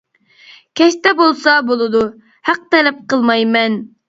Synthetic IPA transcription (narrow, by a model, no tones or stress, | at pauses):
kʲʰɛʃt̪ɛbolˠsɑbolˠɨd̪u | hæq̚t̪ɛlɛp̚qʰəlˠmɑjmɛn